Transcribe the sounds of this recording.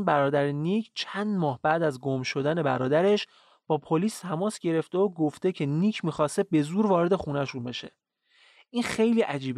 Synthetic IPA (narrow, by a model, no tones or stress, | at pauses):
nbæɾɒːd̪æɾenicʰt͡ʃʰænd̪mɒːhbæʔd̪æzɡomʃo̞d̪æne̞bæ̰ɾɒːd̪æɾe̞ʃ | b̥ɒːpʰoliːst̪ʰæmɒːsɟ̥e̞ɾe̞ft̪eoɡoft̪e̞cʰe̞niːcʰmiːxɒːse̞be̞zuːɾvɒːɾe̞d̪e̞xunæʃunbe̞ʃe̞̰ | ʔiːnxe̞jliːʔæd͡ʒiːb